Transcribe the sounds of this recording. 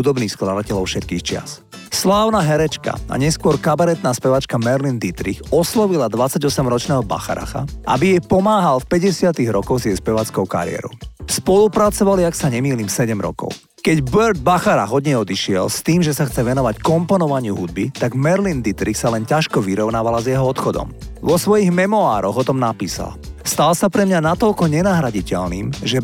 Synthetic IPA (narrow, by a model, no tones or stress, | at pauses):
ud̪ɔbniːxsklad̪acɛlɔʊfʃɛt̪kiːxt͡ʃɪa̰s | slaːʊnaɦɛɾɛt͡ʃka̰a̰ɲɛskʊɔɾkabaɾɛt̪naspɛʋat͡ʃkamɛɾlind̪it̪ɾixɔslɔʋilad̪ʋat͡sːaɟɔsɛmɾɔt͡ʃnɛːɦɔba̰xaɾa̰xa̰ʔa̰bijɛjpɔmaːɦalfpɛɟɛsɪat̪iɣɾɔkɔwzɪjɛjspɛʋaːt͡skɔʊka̰ɾɪ̰ɛ̰ɾɔ̰ʊspɔlupɾat͡sɔʋaliaksaɲɛmiːliːmsɛɟɛmɾɔ̰kɔ̰ʊ | kɛɟbɛɾd̪̚baxaɾaɦɔd̪ɲɛɔd̪iʃɪɛ̰lst̪iːmʒɛsaxt͡sɛʋɛnɔʋackɔmpɔnɔʋaɲɪuɦud̪̚bit̪aɡmɛɾlind̪it̪ɾiksalɛncaʃkɔʋiɾɔʊnaːʋalazjɛɦɔɔt̪xɔd̪ɔ̰m | ʋɔsʋɔjiɣmɛmɔaːɾɔɣɔt̪ɔmnapiːsa̰lst̪alsapɾɛmɲanat̪ɔʎkɔɲɛnaɦɾaɟicɛʎniːmʒɛ